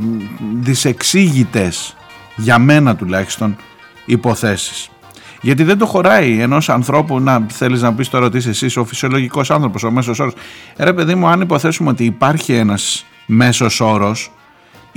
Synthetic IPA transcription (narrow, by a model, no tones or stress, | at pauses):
ðise̞ksiʝit̪e̞s | ʝɐme̞nɐt̪ulɐçi̥st̪o̞n | ipo̞θe̞si̥s | ʝɐt̪̬iðend̪o̞xo̞ɾɐie̞no̞sɐnθɾo̞punɐθe̞liznɐp̬ist̪o̞ɾɐot̪isesiso̞fi̥sio̞lo̞ʝiko̞sɐnθɾo̞po̞some̞sos̬o̞ɾo̞sɾe̞pe̞ðimuɐnipo̞θe̞sumeo̞t̪iːpɐɾçie̞nɐs | me̞so̞so̞ɾo̞s